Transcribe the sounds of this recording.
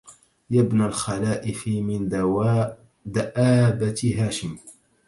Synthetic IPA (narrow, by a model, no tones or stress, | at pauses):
jabnalxalaːʔɪfimɪnd̪ | d̪aʔaːbat̪ɦaːʃɪm